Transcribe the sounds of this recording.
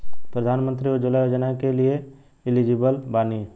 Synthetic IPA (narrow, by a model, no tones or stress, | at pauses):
pɾəd̪ʱaːnmə̃nt̪ɾiod͡ʒolajoːd͡ʒənakelie | ɪlid͡ʒibəlbaːni